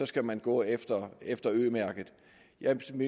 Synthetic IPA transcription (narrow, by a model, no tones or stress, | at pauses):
ɒ̽sɡ̥æmænɡ̥ɔ̰̽ːefd̥ɐefd̥ɐøðˠmæɐɡ̥ð̩ˠ | jæmi